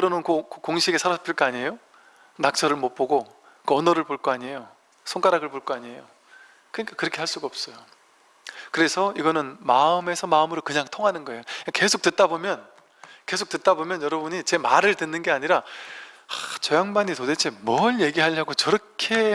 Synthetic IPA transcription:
kɯɾʌnɯnkokokoŋɕʰiɡesʰaɾʌpʰiɭk͈aaɲie̞jo | nak̚t͡ɕ͈ʰʌɾɯɭmop͈oɡo | kʌnʌɾɯɭpoɭk͈oaɲie̞jo | sʰoŋk͈aɾaɡɯɭpoɭk͈oaɲie̞jo | kɯɲik͈ḁkɯɾʌkʰe̞aɭs͈uɡaʌp̚s͈ʌjo | kɯɾe̞sʰʌiɡʌnɯnmaɯme̞sʰʌmaɯmɯɾokɯɲaŋtʰoŋɦanɯnɡʌe̞joikake̞sʰok̚tet̚t͈abomjʌn | ke̞sʰok̚t͈ɯt̚t͈abomjʌnjʌɾʌbuɲit͡ɕe̞maɾɯɭtɯnːɯnɡe̞aɲiɾa | at͡ɕʌjaŋbanitode̞t͡ɕʰe̞mwʌɭjeɡiɦaʎːaɡot͡ɕʌɾʌkʰe̞

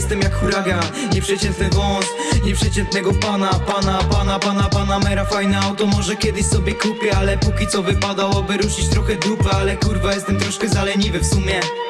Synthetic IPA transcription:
ɛst̪ɛmjakxuɾaɡa | ɲɛpʂɛt͡ɕɛnt̪nɘvɔ̃sɲɛpʂɛt͡ɕɛnt̪nɛɡɔpanapanapanapanapanamɛɾafajnɛawt̪ɔmɔʐɛkʲjɛd̪ɪɕsɔbʲjɛkupʲjɛalɛpukʲit̪sɔvɘpad̪awɔbɨɾuʂit͡ɕt̪ɾɔxɛd̪upɛalɛkuɾvajɛst̪ɛmt̪ɾɔʂkɛzalɛɲivɘfsumʲjɛ

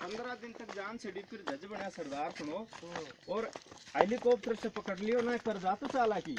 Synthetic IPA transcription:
pɐnd̪ɾaːd̪ɪnt̪əkd͡ʒaːnseɽik̪ɪɾd͡ʒɐd͡ʒbəɳjaːsɐɾd̪aːɾkʰʊɳ̃oːɔːɾejlikoːp̚t̪əɾt͡ʃəpɐkəɽlɪjoːnaːekkəɾd͡ʒaːt̪ot͡ʃaːlaːkiː

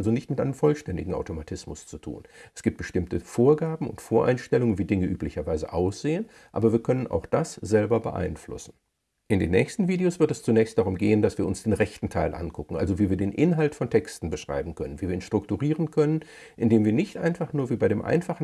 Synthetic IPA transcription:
lzonɪçtmɪtʔa̰ɪnəmfɔlʃtɛndɪɡŋ̩a̰ʊtomatʰɪsmʊst͡sutʰṵːnʔɛsɡ̥iːp̚t̚b̥əʃtɪmtəfoːɐɡaːbm̩ʊ̰ntfoːɐʔa̰ɪnʃtɛlʊŋənviːdɪŋəʔyːplɪçɐvaɪzə̰ʔaʊsz̥eːən | ʔa̰ːbɐviːɐkʰœnənʔa̰ʊxd̥asz̥ɛlbɐbəʔa̰ɪnflʊ̰sn̩ | ʔɪndeːnːɛ̰ːçstn̩viːdeoːsv̥ɪɐtɛst͡sunɛːçstd̥aʁʊmɡeːəndasv̥iːɐʊnsd̥eːnʁɛçtn̩tʰaɪlʔa̰nkʊkŋ̩ʔa̰lzoviːviːɐdeːnʔɪnɦaltfɔntʰɛkstn̩bəʃʁ̥a̰ɪbm̩kʰœnənviːviɐiːnʃtʁ̥ʊktuʁiːʁənkʰœnən | ʔɪndeːmviːɐnɪçtʔa̰ɪnfaχnuːɐviːbaɪɾeːmʔa̰ɪnfaχn̩

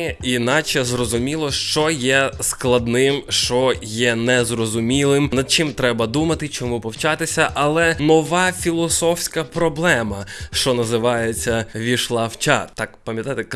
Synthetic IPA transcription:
inɑt͡ʃɛzrɔzʊmʲilˠɔʃt͡ʃɔjɛsklˠɐd̪nɪmʃt͡ʃɔjɛnɛzrɔzʊmʲilˠɪmnɐd̪̚t͡ʃɪmt̪ɾɛbɐd̪umɐt̪ɪt͡ʃɔmupɔwt͡ʃɑt̪ɪsʲɐʔɐlˠɛnɔʋɑfʲilˠɔsɔfsʲkɐpɾɔblˠɛmɐʃt͡ʃɔnɐzɪʋɑjet͡sʲːɐʋʲiʃlˠɑwt͡ʃat̪ɑkpɐmjɐt̪ajt̪ɛk

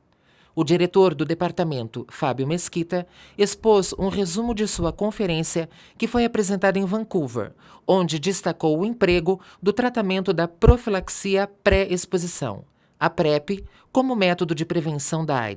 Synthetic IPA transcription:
ʊd͡ʒiɾet̪oɾd̪ʊd̪epaɾt̪amẽnt̪ʊfabjʊmeskit̪ɐespozṵ̃ʁezũmʊd͡ʒɪsuɐkõfeɾẽsiɐ | kɪfojapɾezẽnt̪ad̪ʊẽj̃vɐ̃kuvḛɾ | õnd͡ʒɪd͡ʒist̪akowʊẽpɾeɡʊd̪ʊt̪ɾat̪amẽnt̪ʊd̪ɐpɾofilaksiɐpɾɛespozisɐ̰̃w̃ | ɐpɾɛpɪ | kõmʊmɛt̪od̪ʊd͡ʒɪpɾevẽsɐ̃w̃d̪ɐa̰j

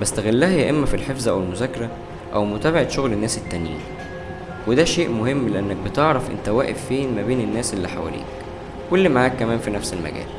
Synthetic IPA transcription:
bæst̪æɣelːæhæjæʔemːæfilħefzæʔæwelmozækːɑɾˤæ | ʔæwmot̪æːbeʕet̪ʃoɣlenːæːset̪ːænjḭː | wed̪æʃeːʔmohemːleʔænːæk̚bet̪eʕɾˤɑfʔḛnt̪æwæːʔefːeːnmæbeːnenːæːsʔelːiħawæ̰lḭːk | kolːmaʕaːkːæmæːnfinæfselmæ̰ɡæ̰ːl

